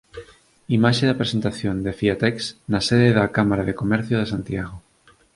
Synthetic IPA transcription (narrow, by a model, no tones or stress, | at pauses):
imaʃeðapɾesent̪aθjond̪efiat̪ɛksnaseðeðakamaɾaðekomɛɾθjoð̞esant̪jaɣ̞o